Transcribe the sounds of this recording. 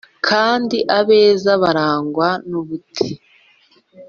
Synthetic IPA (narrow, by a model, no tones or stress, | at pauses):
kʰaːndiʔaβe̞ːzaβaɾaːŋɡwanuβutʰi